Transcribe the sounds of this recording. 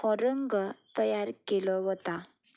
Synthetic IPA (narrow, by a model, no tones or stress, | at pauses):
ɔɾəŋɡət̪əjaɾkelɔɦɔt̪a